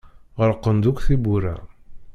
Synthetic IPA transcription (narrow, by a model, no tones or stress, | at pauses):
ʁəɾqːənd̪ukʷθibuɾæ̰